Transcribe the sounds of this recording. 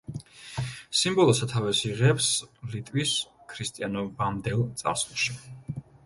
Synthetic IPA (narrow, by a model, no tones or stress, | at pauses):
simbɔlˠɔsat̪ʰavɛsiʁɛpslit̪ʼwiskʰɾist̪ʼianɔbamd̪ɛlˠt̪sʼa̰ɾslˠʃi